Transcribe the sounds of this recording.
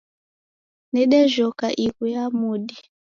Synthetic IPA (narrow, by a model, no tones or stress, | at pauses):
nɛɗɛʒɔkaʔikujamuɗi